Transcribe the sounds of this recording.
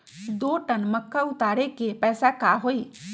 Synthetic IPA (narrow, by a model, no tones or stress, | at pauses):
d̪oːʈənməkːaʊt̪aːɾekepɛːsakaɦoːiː